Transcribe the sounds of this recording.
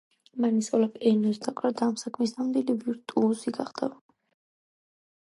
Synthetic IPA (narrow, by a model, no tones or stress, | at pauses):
manisɔlapɛnɔsd̪aqʼad̪aːmsakʰmis̬d̪anmd̪iliviɾt̪ʼuːsiɡaχd̪a